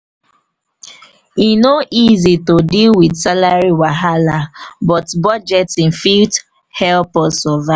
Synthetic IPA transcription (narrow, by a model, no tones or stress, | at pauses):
inoʔizitodilwidsalaɹiwaɦalabɔtbɔd͡ʒɛtĩnfild | hɛlpɔsɔva